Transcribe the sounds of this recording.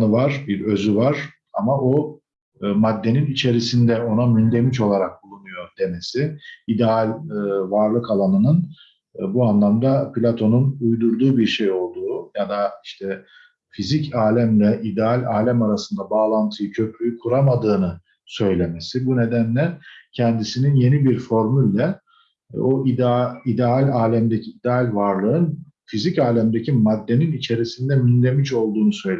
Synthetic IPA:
ɯvaɾ̥biɾø̞zyvaɾ̥ | a̰mao | mad̪ːe̞ninit͡ʃʰe̞ɾisind̪ɛo̞namynd̪e̞mit͡ʃo̞lˠaɾak̚bulˠunujo̞d̪̥e̞me̞siid̪ɛalʲvaɾlˠɯkalˠanɯnɯn | buanlˠamd̪apʰilʲat̪ʰo̞nunujd̪uɾd̪uːbiɾʃe̞jo̞lˠd̪uːjad̪aiʃt̪ʰɛ | fizicʰaːlʲæmlʲɛʔid̪ɛalʲaːlʲæmaɾasɯnd̪abaːlˠant̪ʰɯjɯcʰø̞pʰɾyjykʰuɾamad̪ɯːnɯ | sø̞jlʲe̞mesibune̞d̪ænlʲɛcʰɛnd̪isininje̞nibiɾfo̞ɾmylʲːɛ | oʔid̪id̪ɛalʲaːlʲæmd̪e̞cʰiːd̪ɛalʲvaɾlˠɯɯn | fizicaːlʲæmd̪ecʰimad̪ːe̞ninit͡ʃʰe̞ɾisind̪ɛminʲlʲe̞miʃo̞lˠd̪uːnusø̞jl

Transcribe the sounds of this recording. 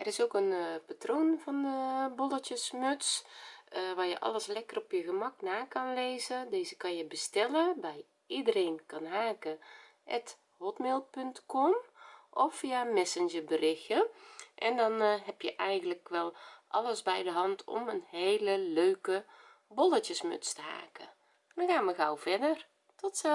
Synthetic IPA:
ʔɛrɪsoːkənpatroːnvɔndəbɔlˠətjəsmøts | ʋaːjəʔɑ̰ləslɛkərɔpjəɣəmɑknaːkɑnleːzədeːzəkɑnjəbəstɛləbɛj | idəreːnkɑnɦaːkə | ʔɛt | hɔtmeːlˠpʏntkʰɔmʔɔfijamɛsənd͡ʒərbərɪxjəʔɛndɔnɦɛpjəʔɛjɣən̩ləkʋɛlˠʔɑləsbɛjdəɦɑntʰɔ̰mənheːləløːkə | bɔlətjəsmø̰t͡stəha̰ːkə | dɔnxaːnməɣawfɛdər | tʰɔtsɛ

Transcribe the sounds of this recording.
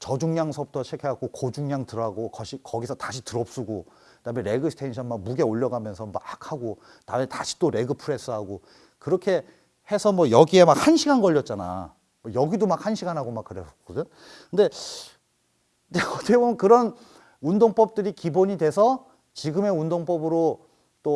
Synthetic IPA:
t͡ɕʌd͡ʑuŋɲaŋsʰʌbutʰʌt͡ɕʰekʰeak͈okod͡ʑuŋɲaŋtɯɾaɡokʌɕʰikʌɡisʰʌtaɕʰi̥tɯɾʌp̚s͈uɡo | kɯdameɾe̞ɡɯsʰtʰenɕʰʌnmak̚muɡe̞oʎːʌɡamjʌnsʰʌmak̚haɡo | nametaɕʰi̥t͈oɾe̞ɡɯpʰɯɾe̞s͈ɯɦaɡo | kɯɾʌkʰe̞ | he̞sʰʌmʌjʌɡie̞mak̚hanɕʰiɡanɡʌʎːʌt̚t͡ɕ͈ana̰ | mʌjʌɡidomak̚hanɕʰiɡanɦaɡomak͈ːɯɾeskʌdɯn | kɯnde̞ | eʌt͈ʰebomjʌnkɯɾʌn | undoŋp͈ʌp̚t͈ɯɾikiboɲidwe̞sʰʌ | t͡ɕiɡɯme̞undoŋp͈ʌbɯɾo | t͈o

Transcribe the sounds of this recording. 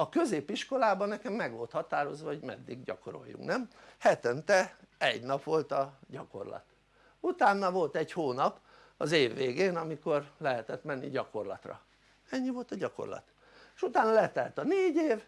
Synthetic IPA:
ɒkø̞zeːpiʃko̞laːbɒnːɛkɛmːɛɡʋo̞lt̪hɒt̪aːɾo̞zʋɒho̞ɟmɛ̰d̪ːiɡɟɒ̰koɾo̞̰jːṵŋknɛmhɛt̪ɛnt̪ɛɛɟnɒpʋo̞lt̪ɒɟɒko̞̰rlɒ̰t̪ | ut̪aːnːɒvo̞lt̪ɛɟhoːnɒp | ɒzeːvːeːɡeːnɒmiko̞rlɛɦɛt̪ɛt̪mɛnːḭɟɒko̞rlɒ̰t̪rɒ̰ | ɛɲːivo̞lt̪ɒɟɒko̰rlɒ̰t̪ | eʃut̪aːnɒlɛt̪ɛlt̪ɒneːɟeːv

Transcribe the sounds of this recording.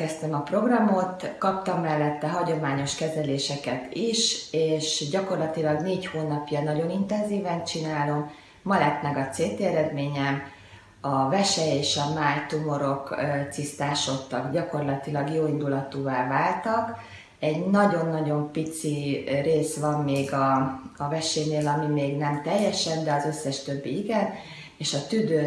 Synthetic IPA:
ɛst̪ɛmɒpro̞ɡrɒmo̞t̪kɒpt̪ɒmːɛlːɛt̪ːɛɦɒɟo̞maːɲo̞ʃkɛzɛleːʃɛkɛt̪iʃeːʃɟɒko̞rlɒt̪ilɒɡneːchoːnɒpjɒnɒɟo̞nint̪ɛnziːvɛnt͡ʃinaːlo̞mː | ɒlɛt̪mɛɡɒt̪seːt̪eːɛɾɛd̪meːɲɛm | ɒvɛʃɛjeːʃɒmaːjt̪umo̞ɾo̞kt̪sist̪aːʃo̞t̪ːɒkɟɒko̞rlɒt̪ilɒɡjoːind̪ulɒt̪uːvaːvaːlt̪ɒk | ɛɟnɒɟo̞nːɒɟo̞mpit̪sireːsʋɒmːeːɡɒːvɛʃeːneːlɒmimeːɡnɛmt̪ɛjːɛʃɛnd̪ɛɒzø̞sːɛʃt̪ø̞bːiiɡɛn | eːʃɒt̪yd̪øː

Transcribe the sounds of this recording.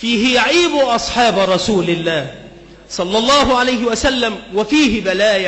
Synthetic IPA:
fiːɦɪjaʕiːbʊʔɑsˤħɑːbɾˤɑsuːlɪlːaːh | sˤɑlːɑlˤːɑːɦʊʕalajhɪwasalːamwafiːɦɪbalaːj

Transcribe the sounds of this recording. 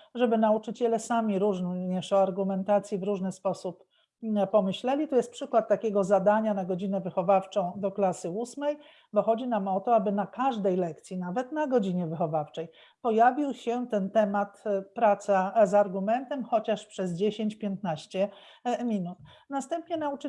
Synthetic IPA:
ʐɛbɘnaut͡ʂɘt͡ɕɛlɛsamʲiɾuʐɲɛʂɔaɾɡumɛnt̪at̪sʲjivɾuʐnɘspɔsup | pɔmɘɕlɛlʲit̪ɔjɛst̪pʂɘkwat̪̚ːakʲeɡɔzad̪aɲanaɡɔd͡ʑinɛvɘxɔvaft͡ʂɔ̃w̃d̪ɔklasɘusmɛj | bɔxɔd͡ʑinamɔt̪ɔabɘnakaʐd̪ɛjlɛk̚t̪sʲjinavɛt̪naɡɔd͡ʑiɲɛvɘxɔvaft͡ʂɛj | pɔjavʲiwɕɛt̪ɛnt̪ɛmat̪pɾat̪sazaɾɡumɛnt̪ɛmxɔt͡ɕaʂpʂɛzd͡ʑeɕeɲt͡ɕpʲjent̪̚naɕt͡ɕɛ | mʲinut̪ | nast̪ɛmpɲɛnaut͡ʂ

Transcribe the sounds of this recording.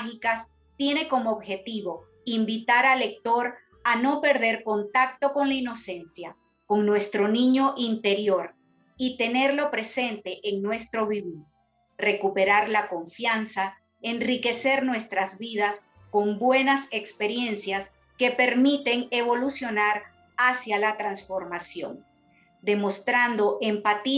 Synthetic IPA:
xikas | t̪je̞ne̞ko̞moːβxe̞t̪iβo̞ | imbit̪aɾale̞k̚t̪o̞ɾ | ano̞pe̞ɾðe̞ɾko̞nt̪ak̚t̪o̞ko̞ŋlaino̞se̞nsja | ko̞ŋnwe̞st̪ɾo̞nĩɲo̞ʔint̪e̞ɾjo̞ɾ | it̪e̞ne̞ɾlo̞pɾe̞se̞nt̪e̞ʔeŋnwe̞st̪ɾo̞βiβiɾ | re̞kupe̞ɾaɾlako̞ɱfjansa | e̞nrike̞se̞ɾnwe̞st̪ɾazβiðas | ko̞mbwe̞nase̞kspeɾje̞nsjas | ke̞pe̞ɾmit̪e̞ŋe̞β̞o̞lusjo̞naɾ | asjalat̪ɾansfo̞ɾmasjo̞̰n | d̪e̞mo̞st̪ɾand̪o̞ʔe̞mpat̪i

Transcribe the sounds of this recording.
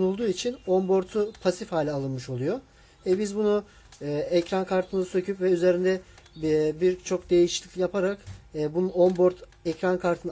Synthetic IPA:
nulˠd̪uːit͡ʃʰinombo̞ɾt̪ʰupʰasifhaːlʲialˠɯnmɯʃo̞lˠujo | vɛbizbunuː | ɛcɾankʰaɾt̪ʰɯmɯzsø̞cʰypvɛyze̞ɾind̪ɛ | biɾt͡ʃʰo̞k̚d̪e̞jiʃi̥lʲicʲlʲijapʰaɾakːbunuombo̞ɾt̪ʰ | ɛcɾankʰaɾt̪ʰɯn

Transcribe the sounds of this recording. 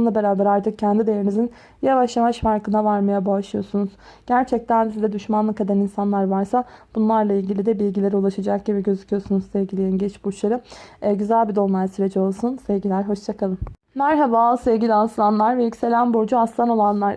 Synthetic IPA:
lˠabe̞ɾaːbɛɾaɾt̪ʰɯk̚cʰænd̪id̪ejeɾinizin | javaʃjavaʃfaɾkɯnd̪avaɾmajabaːʃlˠɯjo̞sunuz̥ | ɟ̥æɾt͡ʃʰɛc̚t̪ʰænd̪izid̪ɛd̪yʃmanlˠɯked̪aninsanlˠaɾvaɾsab̥unlˠaɾlˠailʲɟilʲid̪ɛbilʲɟilʲe̞ɾiulˠaʃad͡ʒak̚ɟiβɛɟø̞zicʰijo̞sunuzsɛvɡɟilʲijinɟɛt͡ʃbut͡ʃlˠaɾɯɛɟyzælʲbid̪o̞nlˠaɾsyɾed͡ʒɛo̞lˠsunsɛvɟilʲæɾɦo̞ʃt͡ʃʰakʰalˠɯm | næɾɦavasɛvɟilʲianslˠanlˠaɾvɛjycse̞lʲænboɾd͡ʒuaslˠano̞lˠanlˠaɾ

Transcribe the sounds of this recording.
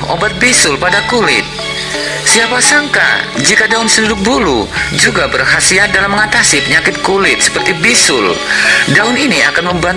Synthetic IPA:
o̰bat̪̚bisʊlpadakulɪ̰t̪̚ | siapasaŋka̰d͡ʒikadaʊnsənudʊk̚bulud͡ʒuɡabərɦasiat̪̚dalamːəŋat̪asipəɲakɪt̪̚kulɪt̪̚sə̥pərt̪ibisʊldaʊninia̰kanməmban

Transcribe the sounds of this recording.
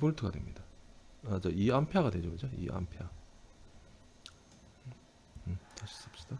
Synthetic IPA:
boɭtʰɯɡadwe̞̰mɲidaat͡ɕaiampʰjaɣadwe̞d͡ʑoɡɯd͡ʑoḭʔa̰mpʰja | ɯtaɕʰi̥s͈ɯp̚ɕ͈i̥d̥a

